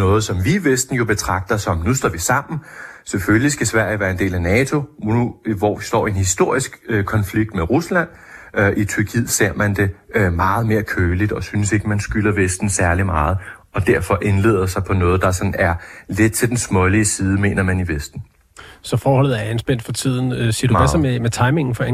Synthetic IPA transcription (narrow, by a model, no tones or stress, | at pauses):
nɔ̽ːð̞̩ˠsɒ̽mʋiːʋesd̥n̩jo̝b̥e̝t͡sʰʁɑ̈ɡ̥̚d̥ɐsɒ̽mnusd̥ɒ̰ːʋisɑ̈m̰n̩seføllisɡ̥æsʋæɐ̰jəʋæːɐe̝nde̝̰ːlænɛːt͡sʰo̝uʋɒisd̥ɒ̰ːenhisd̥o̝ɐ̰isɡ̥kʰɒ̽nfliɡ̥̚d̥meʁuslæn̰ | ʔit͡sʰyɐkʰið̰ˠse̝̰ɐ̰mænd̥e̝mɑ̈ːð̞̩ˠme̝ːɐkʰøːlid̥ɒ̽synəse̝ɡ̥əmænsɡ̥ylɐʋesd̥n̩sæɐlimɑ̈ːð̞̩ˠɒ̽d̥æɐ̰fɒ̽ʔe̝nle̝̰ːðˠɐsɑ̈ɪpʰɒ̽nɔ̽ːð̞̩ˠd̥ɑ̈sɒ̽n̩æɐle̝d̥̚t͡sʰe̝ld̥ensmɔ̽liəsiːð̞ˠme̝̰ːnɐmæniʋesd̥n̩ | sɒ̽fɒːɦɒ̽lð̩ˠæɐænsb̥en̰d̥fɒ̽t͡sʰið̞̰ˠn̩siɐduʋæsɒmemet͡sʰɑ̈ɪme̝ŋn̩fɒe